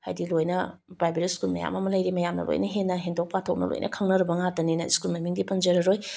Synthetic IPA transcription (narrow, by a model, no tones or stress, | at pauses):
ha̰jdilojnɐbɾajbeɾiskulmɐ̰ja̰mɐmɐlɐjɾimɐjamnɐ̰lo̰jnɐɦenːɐɦendok̚patʰok̚nɐ̰lo̰jnʔɐ̰kʰɐŋnɐɾɐbɐŋatɐninɐskulmɐmiŋdipɐnd͡ʒɐɾɐɾoj